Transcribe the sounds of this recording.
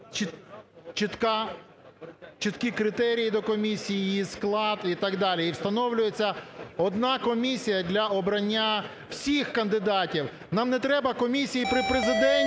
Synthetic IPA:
t͡ʃit͡ʃit̪kɑ | t͡ʃɪt̪kikɾɪt̪ɛɾʲijid̪ɔkɔmʲisʲijijisklˠɑd̪it̪ɑɡd̪ɑlʲiːwst̪ɐnɔwlʲʊjet͡sʲːɐɔd̪nɑkɔmʲisʲijɐd̪ʲlʲɐɔbɾɐnʲːa | w̥sʲixkɐnd̪ɪd̪ɑtʲiw | nɑmnɛt̪ɾɛbɐkɔmʲisʲijipɾɪpɾezɪd̪ɛnʲ

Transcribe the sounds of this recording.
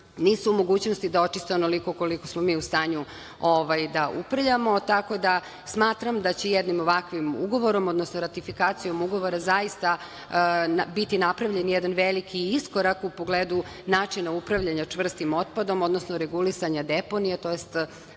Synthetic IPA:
niːsuumo̞ɡuːt͡ɕnost̪id̪ao̞t͡ʃist̪eonolikoko̞likosmomiːust̪aːɲu | oʋajd̪aʔupɾvʎamo̞t̪ako̞d̪a | smaːt̪ɾamd̪at͡ɕejed̪nimoʋakʋimṵɡo̞ʋo̞ɾo̞mo̞d̪nosnoɾat̪ifikaːt̪sijo̞muɡo̞ʋo̞ɾazajist̪a | bit̪inapɾaʋʎenjɛd̪anʋelikʰiisko̞ɾakupo̞ɡleːd̪u | naːt͡ʂinaupɾaʋʎaɲat͡ʂʋr̩st̪imo̞t̪̚pad̪o̞mo̞d̪no̞snoɾeɡulisaɲad̪epo̞nijet̪o̞jest̪

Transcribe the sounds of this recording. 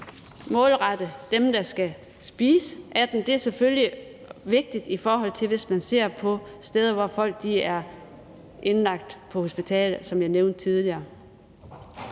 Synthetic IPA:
mɔ̽ːlʁɑd̥əd̥emd̥ɑ̈sɡ̥æ | sb̥iːsəʔæd̥n̩d̥e̝æɐsefølji | ʋe̝ɡ̥̚d̥id̥ifɒːɦɒ̽l̰t͡sʰe̝lʋe̝smænse̝ɐ̰pʰɒ̽sd̥eːð̞ˠɐʋɒfɒ̽l̰ɡ̥̚d̥iæɐ | ʔe̝nlɑ̈ɡ̥̚d̥pʰɒ̽ho̝sb̥it͡sʰɛ̰ːləsɒ̽mjɑ̈ɪneʊnd̥̚t͡sʰið̞ˠliɐː

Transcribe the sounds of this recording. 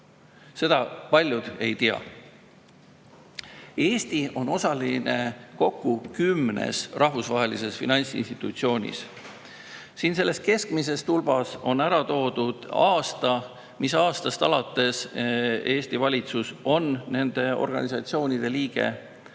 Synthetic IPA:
se̞d̪̥ɑpɑlʲjud̪̥e̞jt̪iɑ̰ | e̞ːst̪io̞no̞sɑline̞ko̞kːukymːnḛsrʔɑɦvusvɑɦe̞lise̞sfinɑnʲt̪sḭnst̪it̪ˑut̪sio̞ːnʲḭs | siːnse̞lːe̞st̪̚ke̞skmis̬e̞st̪ulbɑso̞næɾɑt̪o̞ːd̪̥ud̪̥ɑːst̪ɑ | misɑːst̪ɑst̪ɑlɑt̪ːˑe̞s | e̞ːst̪ivɑlʲit̪suso̞nne̞nd̪̥e̞o̞̰rɡ̥ɑ̰nʲisɑt̪sio̞ːnʲid̪̥e̞liːɡ̥e̞̰

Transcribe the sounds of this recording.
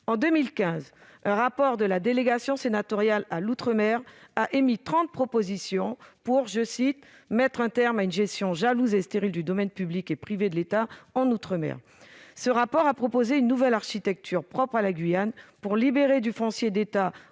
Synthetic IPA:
ɑ̃d̪ømilkʲɛ̃z | ɛ̃ʁapɔʁd̪əlad̪eleɡasjɔ̃senat̪ɔʁjalalut̪χəmɛʁaʔemit̪χɑ̃t̪̚pχɔpozisjɔ̃puʁʒəsit̪ | mɛt̪χɛ̃t̪ɛʁmaynʒɛst̪jɔ̃ʒaluzest̪eʁild̪yd̪ɔmɛnpyblikepχived̪əlet̪aɑ̃nut̪χəmɛ̰ʁ | səʁapɔʁapχɔpozeynːuvɛlaʁʃit̪ɛk̚t̪ʰyʁpχɔpχalaɡɥijanpuʁlibeʁed̪yfɔ̃sjed̪et̪a

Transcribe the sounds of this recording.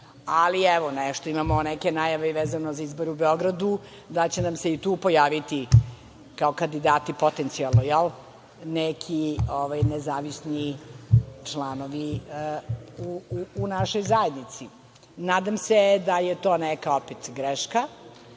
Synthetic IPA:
aliɛʋonɛʃt̪oimamonɛkenaːjaʋeʋeːzanozaizboɾeubeo̞ɡɾad̪u | d̪at͡ɕenamseit̪uːpo̞jaːʋit̪i | kaokand̪id̪aːt̪ipo̞t̪ent̪sialˠnojɛl | nekʰioʋajnezaːʋisni | t͡ʂlˠaːnoʋi | uuːnaʃojzaed̪nit̪si | naːd̪amsed̪ajet̪o̞ːnɛkaopɛt̪ɡɾeʃka

